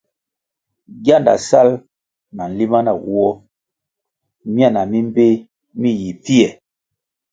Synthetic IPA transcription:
ɡja˦˨nda̰˨sa˦l | na˨n̩˨li˦ma˦na˨ɣu˦ɔ˦ | mi˦a˦˨na˨mi˦m˦be˦ | mi˦ji˨pi˦ɛ˨

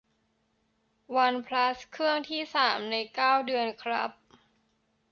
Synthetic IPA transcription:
wa˧npʰla˦˥skʰɯ˥˩əŋt̪ʰiː˥˩saː˩˦mna˧jkaː˥˩wdɯ˧ənkʰɾa̰˦˥p̚

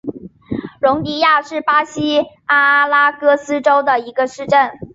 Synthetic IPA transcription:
ɻʊ˧˥ŋt̪i˧˥ja˥˧ʂɻ̩˥˩pa˥ɕi˥ | a˥la˥kɤ˥sɹ̩˥ʈ͡ʂo˥ʊd̪ə˨˩i˧˥ɡə˧ʂɻ̩˥˧ʈ͡ʂə˥˩n

